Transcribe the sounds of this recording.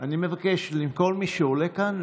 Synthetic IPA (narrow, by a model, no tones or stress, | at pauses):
animevakeʃlimkolmiʃeolekan